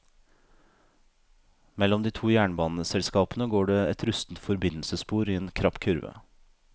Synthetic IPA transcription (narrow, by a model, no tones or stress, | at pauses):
mɛlɔmd̪iːt̪ʰuːjæːɳbɑːnəsɛlskɑːpn̩əɡoːɖeːɛt̪ʰɾʉst̪n̩t̪fɔɾbɪnl̩səspuːɾiːeːnkʰɾɑpkʰʉɾʋə̰